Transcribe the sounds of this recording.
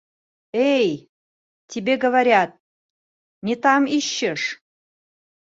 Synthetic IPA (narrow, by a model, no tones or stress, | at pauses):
ej | t̪ʲibeɡə̆βaɾʲɑt̪̚ | nʲet̪ɑmiɕːə̆ʃ